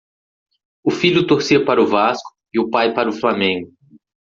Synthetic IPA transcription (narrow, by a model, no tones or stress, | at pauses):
ʊfiʎʊt̪oɾsiɐpaɾɐʊvaskʊ̥ | ɪʊpajpaɾɐʊflamẽŋɡʊ